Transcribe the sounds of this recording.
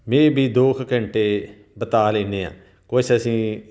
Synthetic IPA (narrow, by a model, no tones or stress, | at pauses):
mẽːbʱiːd̪oːkʰkə̃ɳʈeː | bət̪aːlẽːnd̪eːã̰ː | kot͡ʃəsĩː